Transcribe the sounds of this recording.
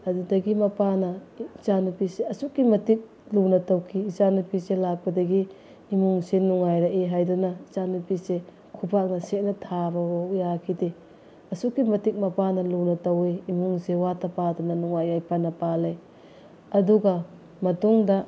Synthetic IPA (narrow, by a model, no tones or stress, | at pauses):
ɐdudɐɡimɐpanɐt͡ʃanupiseɐsukːimɐtik̚ | lunɐtɐwkʰiːt͡ʃanupiselak̚pɐdɐɡiː | muŋsenuŋajɾɐʔeɦajdunɐit͡ʃanupise | kʰupʰak̚nɐset̚nɐtʰabɐwaujakʰide | ɐsukːimɐtik̚mɐpanɐlunɐtɐwiimuŋsewatɐpadunɐnuŋajajpɐnɐpalej | ɐduɡɐ | mɐtuŋdɐ